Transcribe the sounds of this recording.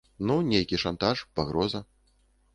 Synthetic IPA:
nunʲejkʲiʂant̪aʂpaɣɾɔzɐ

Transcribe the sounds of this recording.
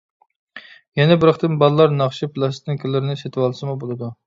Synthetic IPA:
jɛnɛbɪɾəχt̪ɨnbɑlˠlˠɑɾnɑχʃipʰlˠɑst̪ɪŋkʲʰylːɪɾnɪset̪ʰɪwɑlˠsɨmubolˠɨd̪u

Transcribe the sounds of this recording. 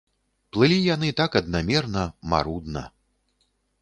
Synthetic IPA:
plˠɨlʲijanɨt̪akɐd̪̚namʲɛrnɐma̰ɾud̪nɐ̰

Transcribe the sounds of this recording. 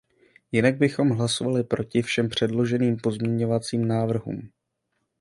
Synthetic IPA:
jɪnaɡ̚bɪxo̞mɦlaso̞valɪpɾo̞cɪfʃɛmpr̝̥ɛdlo̞ʒɛniːmpo̞zmɲɛɲo̞vat͡siːmnaːvr̩ɦṵːm

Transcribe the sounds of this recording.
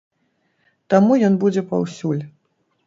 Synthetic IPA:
t̪amujɔnbud͡zʲɛpawsʲulʲ

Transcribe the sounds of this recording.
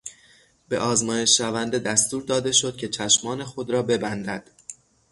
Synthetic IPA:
b̥e̞̰ʔɒːzmɒːje̞ʃːævænd̪e̞d̪æst̪uːɾd̪ɒːd̪e̞ʃo̞d̪̥̚cʰe̞t͡ʃʰæʃmɒːne̞xo̞d̪ɾɒːbe̞bænd̪æd̪̥

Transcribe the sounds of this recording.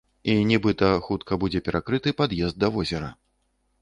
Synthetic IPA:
inʲɛbɨt̪ɐxut̪kɐbud͡zʲɛpʲɛɾʔakɾɨt̪ɨpad̪jɛzd̪ːɐvɔzʲɛɾɐ̰

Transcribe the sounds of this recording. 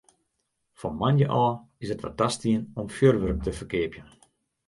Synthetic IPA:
fɔnmanjəʔɔː | ɪsətʋa̰t̚dastiənɔmfjørʋørək̚tʰəfərkɪəpjən

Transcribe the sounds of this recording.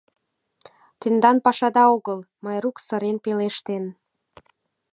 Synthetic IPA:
t̪end̪ɑnpɑʃɑd̪ɑoɣəl | mɑjɾuksə̆ɾenpeleʃt̪en

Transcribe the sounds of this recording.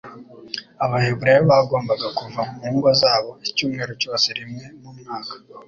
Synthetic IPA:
aβahe̞bɾe̞jeβaɡo̞ːmbaɡakuvamumuŋɡwazaːβo̞icuːmŋe̞ːɾoco̞ːse̞ɾimŋe̞mumŋaːkḁ

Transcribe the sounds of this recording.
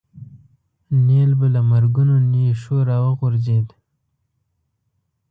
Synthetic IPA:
nelbəlamaɾɡʊnoneʃoɾɑwəɣʊɾzed̪

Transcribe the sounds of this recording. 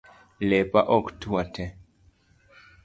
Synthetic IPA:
lɛpaʔɔktuatɛ

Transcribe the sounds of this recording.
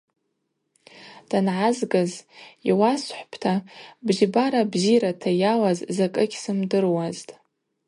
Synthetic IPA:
d̥anʕazɡaziwasħʷpʰtʰabʒbaɾabziɾatʰajawazzakʼɨɡʲsɨmdɨrwaztʼ

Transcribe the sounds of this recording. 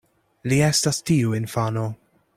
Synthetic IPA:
liɛst̪ɐst̪iːuɪnfɐːno

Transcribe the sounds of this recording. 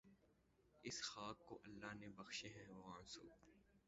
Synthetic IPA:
ɪsxaːkːo̰ʔɐlːaːɦnebɐxʃeɦɛ̃ʋomansṵːb

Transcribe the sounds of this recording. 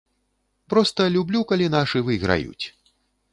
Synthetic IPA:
pɾɔst̪ɐlʲublʲukalʲinaʂɨvɨɣɾa̰jṵt͡sʲ

